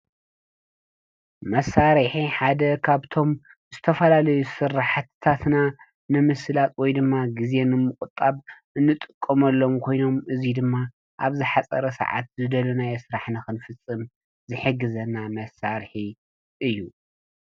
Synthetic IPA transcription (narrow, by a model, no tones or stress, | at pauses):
mɐsaɾħiħad̪ɐkʰaβt̪ʰo̞m | zɨt̪ʰɐfɐlalɐjusɨɾaħt̪ʰt̪ʰat̪na | nɨmɨsɨlat̪ʰwɔjd̪ɨmːaɡize̞nɨmɨkʼut̪ʼːaβʔɨnːɨt̪ʼɨkʼːɐmɐlːo̞mkʰo̞jno̞mɨzid̪ɨmːa | ʔaβzɨħat͡sʼɐ̰ɾɐsɐ̰ʕa̰t̪̚zɨd̪ɐlunajesɾaħnɨxɨnfɨt͡sʼːɨm | zɨħɨɡːɨzɐnamɐsaɾħi | ʔɨjːu